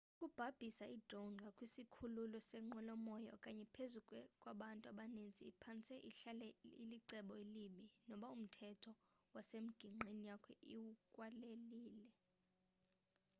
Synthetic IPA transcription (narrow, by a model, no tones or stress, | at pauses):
ukʼub̥ʱab̥ʱisaʔid̥ronɡʱakʼwisikʰululɔsɛŋ͡ǃɔlɔmɔjɔ̰kʼaɲɛpʰezukʼkʼwaɓantʼuaɓanend͡zʱiːpʰant͡sʰʼɛʔiɬalɛiliǀɛɓɔiliminɔɓaum̩tʰɛtʰɔ | wasem̩ɡ̥ʱiŋ͡ǃʱenijakʰɛʔiwukʼwaleliːlɛ